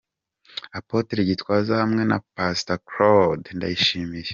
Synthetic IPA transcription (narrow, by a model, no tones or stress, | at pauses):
apoteɾiɟitwaːzahamŋe̞na̰pastakɾodnda̰jiʃiːmiɾe